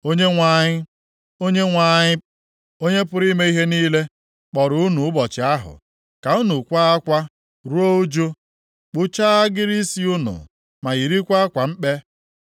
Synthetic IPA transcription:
o˦ɲe˦ŋʷa˨ɲɪ˦ | o˦ɲe˦ŋʷa˨ɲɪ˦ | o˦ɲe˦pʊ˦ɾi˦me˦i˦ɦe˦niː˦le˦ | k͡pɔ˨ɾʊ˨˦ʊ˦nu˨ʊ˦bɔ˨t͡ʃɪ˨a˦ɦʊ̰˨ | ka˨u˦nu˨kʷa˦a˦kʷa˦ | ɾu˦o˦o˦d͡ʒo˦ | k͡pʊ˦t͡ʃa˦a˦ɡɪ˦ɾi˦si˦u˦nʊ̰˨ | ma˨i˨ɾi˦kʷa˦a˦kʷa˨m̩˦k͡pe˦

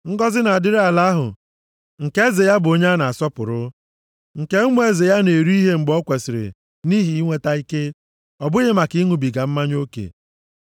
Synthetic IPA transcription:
ŋ̩˦ɡɔ˦zɪ˦na˨a˨dɪ˦ɾa˨la˦ɦʊ̰˨ | ŋ̩˨ke˦ze˨ja˦bʊ˨o˦ɲe˦na˨a˨sɔ˦pʊ̰˨ɾʊ˦ | ŋ̩˨ke˦mu˦e˦ze˨ja˦ne˨ɾu˦i˦ɦe˦ŋ͡m̩˨ɡ͡bɔ˦kʷe˨sɪ˨ɾḛ˨ | ni˦ɦi˨i˦ŋʷe˦ta˦i˦ke˦ | ɔ˨bʊ˦ɣɪ˦ma˨ki˦ŋu˨bi˨ɡa˨m̩˦ma˦ɲ˦o˦kḛ˨

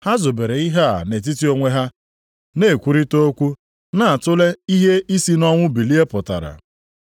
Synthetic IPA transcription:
ha˦zo˨be˨ɾe˨i˦ɦa˦a˨ne˨t̬i˦ti˦o˦ŋʷe˦ɦa˦ | ne˨kʷu˦ɾi˦to˦kʷu˦ | na˨a˨tʊ˦le˦i˦ɦe˦i˦si˦nɔ˦ŋʷʊ˦bi˨li˦e˦pʊ˨ta̰˨ɾa̰˨

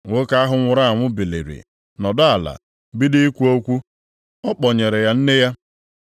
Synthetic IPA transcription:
ŋʷo˦ka˦a˦ɦʊ˦ŋʷʊ˨ɾa˦a˨ŋʷʊ˦be˨lḛ˨ɾḭ˨ | nɔ˨dɔ˦a˨la̰˨ | bi˦dɪ˦i˦kʷu˦o˦kʷu˦ | ɔ˦k͡pɔ˨ɲe˨ɾe˨ja˦n̩˦ne˦ja˦

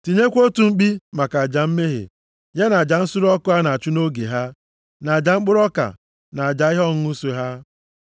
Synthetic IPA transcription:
ti˨ɲe˦kʷo˦tu˨ŋ͡m̩˦k͡pi˦ma˨ka˨a˨d͡ʒa˨m̩˦me˦ɦḛ˨ | ɲe˦na˨d͡ʒa˨n̩˦sʊ˦ɾɔ˦kʊ˦a˦na˨a˨t͡ʃu˦no˦ɡḛ˨ɦa˦ | na˨d͡ʒa˨ŋ͡m̩˦k͡pʊ˦ɾɔ˦ka̰˨ | na˨a˨d͡ʒa˨i˦ɦɔ˦˨ŋ˦u˦se˦ɦa˦

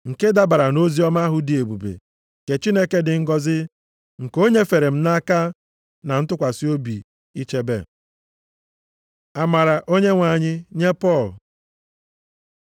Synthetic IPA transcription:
ŋ̩˨ke˦da˦ba˨ɾa˨no˦zi˦ɔ˦ma˦ɦʊ˦di˨e˨bu˨bḛ˨ | ke˨t͡ʃi˦ne˦ke˦dɪ˨ŋ̩˦ɡɔ˦zɪ˦ | ŋ̩˨ko˦ɲe˦fe˨ɾe˨m̩˦na˦ka˦ | na˨n̩˦tʊ˦kʷa˨si˦o˦bi˨ | i˦t͡ʃe˦be˦˨ | a˨ma˨ɾa˨ʔo˦ɲe˦ŋʷa˨ɲɪ˦ɲe˦pɔ˦˨l

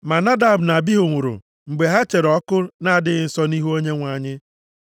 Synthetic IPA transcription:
ma˨na˦da˨bna˨bi˦ɦʊ˨ŋʷʊ˨ɾʊ̰˨ | ŋ͡m̩˨ɡ͡be˨ɦa˦t͡ʃe˨ɾɔ˦kʊ˦na˦a˨dɪ˦ɣɪ˨˦n̩˨sɔ˦ni˦ɦu˦o˦ɲe˦ŋʷa˨ɲɪ˦

